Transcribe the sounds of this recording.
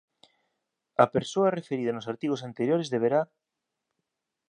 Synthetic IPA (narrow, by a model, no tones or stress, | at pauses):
ɐpeɾsoɐrefeɾið̞ɐnosaɾt̪iɣ̞osant̪eɾjoɾezðeβeɾa